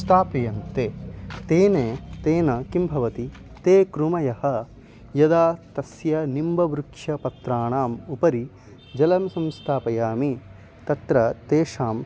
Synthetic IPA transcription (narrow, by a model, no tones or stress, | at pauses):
st̪ʰaːpɐjɐnt̪eːt̪eːneːt̪eːnɐkimbʱɐʋɐt̪i | t̪eːkɾumɐjɐhɐ̆ | jɐd̪aːt̪ɐsjɐnimbɐʋɾukʂjɐpɐt̪ɾaːɳaːmupɐɾi | d͡ʒɐlɐmsɐmst̪ʰaːpɐjaːmi | t̪ɐt̪ɾɐt̪eːʃaːm